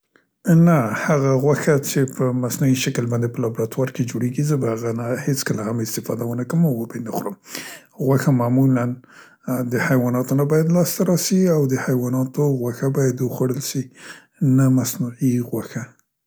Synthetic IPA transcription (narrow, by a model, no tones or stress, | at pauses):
nahaɣaɣwaxat͡ʃepəmasnuiʃakəlbɑnd̪epəlɑbɾat̪wɑɾked͡ʒoɽeɡizəbahaɣanahet͡skəlahamɪst̪ɪfɑ̰d̪awənakəmawwəbenaxɾəm | ɣwaxamamulan | d̪əhajwɑnɑt̪onabɑjad̪lɑst̪aɾɑsiawd̪əhajwɑnɑt̪oɣwaxabɑjad̪wəxwaɽəlʃi | namasnuʕiɣwaxa